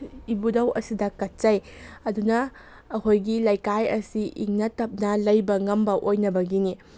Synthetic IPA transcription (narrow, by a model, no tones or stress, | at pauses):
ibudɐwʔɐsidɐkɐt̚t͡ʃɐjɐdunɐː | hojɡilɐjkajɐ̰siʔḭŋnɐtɐp̚nɐlɐjbɐŋɐmbɐʔojnɐbɐɡini